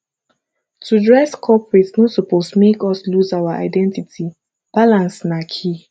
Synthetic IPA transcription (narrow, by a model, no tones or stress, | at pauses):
tʰudɹɛskʰɔpɹɪtnosuposmekɔsluzawaʔa̰ɪdɛ̃ntitʰi | b̥alãnsnakʰi